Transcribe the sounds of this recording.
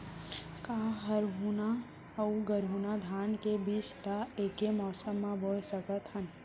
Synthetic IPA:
kaɦəɾɦuna | əɡəɾunad̪ʱaːnkebiːsɾaekemɔːsəmːãbʱosəkət̪ɦən

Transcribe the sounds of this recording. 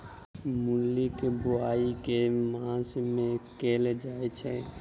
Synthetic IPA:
mʊlːikebʊaːikemãːsmẽkeːled͡ʒaːet͡ʃʰɛ

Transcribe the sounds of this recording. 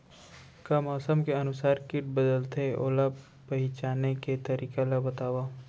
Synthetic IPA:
kamɔːsəmkeɐnʊsaːɾkɪʈ̚bəd̪əlt̪eʔo̰ːlab | pɐɦɪt͡ʃaːneket̪ɐɾiːkalabɐt̪aːwaː

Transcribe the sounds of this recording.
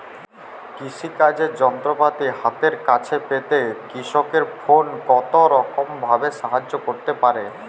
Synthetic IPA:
kiʃikad͡ʑeɾd͡ʑɔnt̪ɾopat̪iɦat̪eɾkat͡ɕʰepet̪ekɾiʃokeɾfonkɔt̪oɾɔkombʱabeʃaɦad͡ʑːokoɾt̪epaɾe

